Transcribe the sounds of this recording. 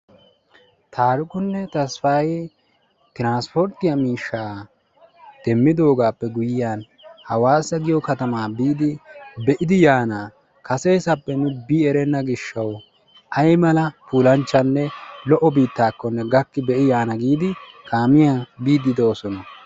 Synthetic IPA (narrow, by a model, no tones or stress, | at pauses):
t̪ʰaːɾʊkʼʊnːɛt̪ɐsfɐj | t̪ɪɾaːnspɔɾt̪ɪjɐmiːʃːaː | d̪̥ɛmːɪd̪o̞ːɡaːpːɛɡʊjɪjaːn | hɐwaːsːɐɡɪjɔkɐt̪ɐmaːbiːd̪ɪbɛʔɪd̪ɪjaːna | kɐse̞ːsɐpːɛnʊbiːɛɾɛnːɐɡɪʃːɐw | ɐjmɐlɐpuːlɐnt͡ʃːɐnːɛlɔʔɔbiːt̪ːaːkːɔnːɛɡɐkːɪbɛʔɪjaːnɐɡiːd̪ɪ | kʰaːmɪjabiːd̪ːɪd̪ɛːsɔnɐ